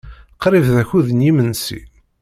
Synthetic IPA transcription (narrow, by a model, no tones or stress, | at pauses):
qɾivðæçuðənjimənsḭ